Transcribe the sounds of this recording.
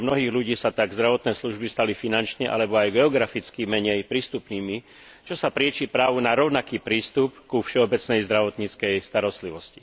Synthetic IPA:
mnɔɦiːɣluɟiːsat̪aɡzd̪ɾaʋɔt̪nɛːsluʒbist̪alifinant͡ʃɲɛʔa̰lɛbɔajɡɛɔɡɾafit͡skimɛɲɛjpɾiːst̪upniːmi | t͡ʃɔsapɾɪɛt͡ʃiːpɾaːʋunaɾɔʊnakiːpɾiːst̪upkufʃɛɔbɛt͡snɛjzd̪ɾaʋɔt̪ɲit͡skɛjst̪aɾɔst̪liʋɔsci

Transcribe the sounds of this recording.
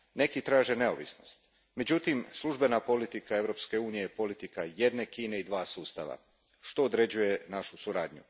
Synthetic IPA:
ne̞kit̪ɾaːʒe̞ne̞o̞̰ʋḭsno̞̰st̪ | me̞d͡ʑut̪imslˠuʒbe̞napo̞lit̪ikae̞ʋɾo̞pske̞uːnije̞po̞lit̪ikajed̪ne̞kiːne̞id̪ʋaːsuːst̪a̰ʋa̰ | ʃt̪o̞ːd̪ɾe̞d͡ʑuje̞naʃusuɾaːd̪ɲṵ

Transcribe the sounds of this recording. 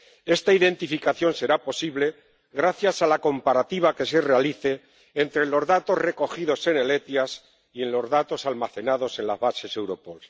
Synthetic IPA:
e̞st̪aiðe̞nt̪ifikaθjo̞nse̞ɾapo̞siβle̞ | ɣɾaθjasalako̞mpaɾat̪iβ̞ake̞se̞realiθe̞ː | nt̪ɾelo̞zðat̪o̞zre̞ko̞xið̞o̞se̞nele̞t̪jas | ie̞nlo̞zðat̪o̞salmaθe̞naðo̞se̞nlazβase̞se̞wɾo̞po̞ls

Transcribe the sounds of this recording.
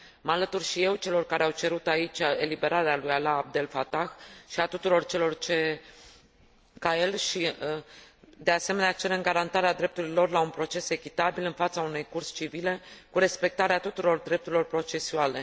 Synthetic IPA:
məalət̪urʃije̞wt͡ʃe̞lo̞rkaɾeawt͡ʃe̞ɾut̪ait͡ʃʲelibe̞ɾaɾealujalaːb̚d̪e̞lfat̪axʃiat̪ut̪uɾo̞rt͡ʃe̞lo̞rt͡ʃe | kaje̞lʃi | d̪e̞ase̞me̞neat͡ʃeɾɨŋɡaɾant̪aɾead̪ɾe̞p̚t̪uɾilo̞rlaunpɾo̞t͡ʃe̞se̞kʲit̪abilɨnfat̪saunujkurst͡ʃivile̞kuɾe̞spe̞k̚t̪aɾeat̪ut̪uɾo̞rd̪ɾep̚t̪uɾilo̞rpɾo̞t͡ʃe̞suale̞

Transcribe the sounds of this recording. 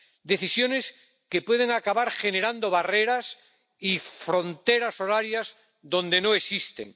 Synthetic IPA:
d̪e̞θisjo̞ne̞s | ke̞pwe̞ð̞eŋakaβaɾχe̞ne̞ɾand̪oβareɾas | ifɾo̞nt̪eɾaso̞ɾaɾjaz | ðõ̞nd̪e̞no̞e̞sist̪ḛŋ

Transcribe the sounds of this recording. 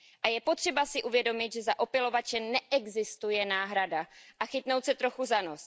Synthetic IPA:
ʔajɛpot̪r̝̥ɛbasɪʔuvjɛdo̞mɪt̪ʒɛzaʔo̞pɪlo̞vat͡ʃɛnɛʔɛɡzɪst̪ujɛnaːɦɾadaʔaxɪt̪no̞wt̪sɛt̪ɾoxuzanos

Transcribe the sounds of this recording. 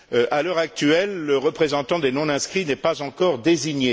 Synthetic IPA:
øʔalœʁak̚t̪ɥɛlːəʁəpχezɑ̃t̪ɑ̃d̪enɔ̃nɛ̃skχinɛpazɑ̃kɔʁd̪eziɲe

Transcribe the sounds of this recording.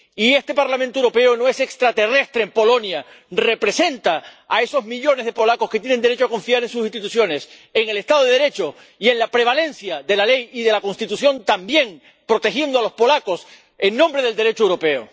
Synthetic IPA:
ie̞st̪e̞paɾlamẽnt̪owɾo̞pe̞ono̞e̞se̞kst̪ɾat̪e̞re̞st̪ɾe̞ːmpo̞lo̞nja | re̞pɾe̞se̞nt̪aːe̞so̞zmiʎo̞ne̞zð̞e̞po̞lako̞sket̪jenend̪eɾe̞t͡ʃoako̞ɱfiaɾẽ̞ns̬us̬ĩst̪it̪uθjo̞ne̞s | e̞ŋe̞le̞st̪aðoðeðeɾe̞t͡ʃo̞ | ie̞nlapɾe̞β̞alẽ̞nθjaðe̞lale̞jiðe̞lako̞nst̪it̪uθjõ̞nt̪ambje̞ŋ | pɾo̞t̪e̞xje̞nd̪oalo̞spo̞lako̞s | e̞ŋnõ̞mbɾe̞ð̞e̞ld̪e̞ɾe̞t͡ʃoewɾo̞pe̞o̰

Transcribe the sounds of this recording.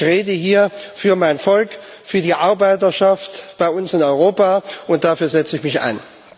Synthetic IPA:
ʁeːdəɦiːɐfyːɐmaɪnfɔlk | fyːɐdiːʔaɐbaɪtɐʃaftb̥aɪʊnsɪnɔʏʁ̞oːpaʔʊnt̚d̥aːfyːɐzɛt͡səɪçmɪça̰ɪn

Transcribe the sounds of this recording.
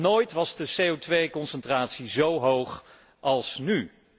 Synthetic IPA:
noːjtʋɑzdəsejowtʋejkɔnsɛntraːtsizowɦowχ | ʔɑlˠsny

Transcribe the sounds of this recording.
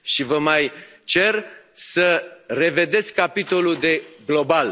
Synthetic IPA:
ʃivəmaj | t͡ʃe̞rsəre̞ve̞d̪e̞t̪sʲkapit̪o̞luld̪e̞ɡlo̞bal

